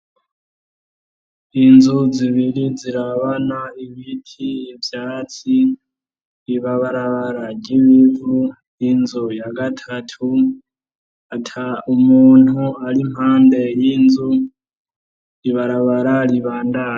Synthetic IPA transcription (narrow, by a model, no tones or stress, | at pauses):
inzuziβiɾiziɾaβanaiβitʰijevjaːt͡si | iβaβaɾaβaɾaɟiβivu | jinzujaɡatʰatʰu | atʰaumuːn̥huaɾim̥haːnde̞jinzu | iβaɾaβaɾaɾiβaːnda